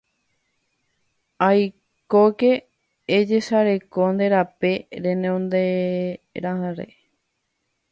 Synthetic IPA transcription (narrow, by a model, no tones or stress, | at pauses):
aj | kokeː | d͡ʒe̞ʃaɾe̞kond̪e̞ɾapeɾẽneõnd̪e | ɾahãɾḛ